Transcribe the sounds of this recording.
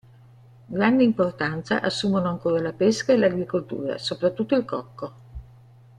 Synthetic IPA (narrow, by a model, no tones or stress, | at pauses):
ɡɾand̪eimport̪ant̪sa̰ʔasːuːmonoaŋkoːɾalapeskaelaɡɾikolt̪ṵːɾa̰sopɾat̪ːut̪ːoilkɔkːo